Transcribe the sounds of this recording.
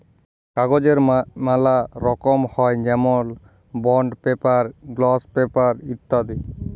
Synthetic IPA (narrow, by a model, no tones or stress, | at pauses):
kaɡod͡ʒeɾmalaɾɔkɔmhɔjd͡ʒɛmɔl | bɔɳɖpepaɾɡlɔspepaɾit̪ːad̪i